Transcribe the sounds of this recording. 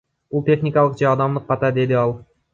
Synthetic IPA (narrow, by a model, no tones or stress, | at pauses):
bulˠt̪ʲe̞χnʲɪkɑlˠəqd͡ʒɑɑd̪ɑmd̪ɯq̚qːɑt̪ɑd̪e̞d̪ɪɑlˠ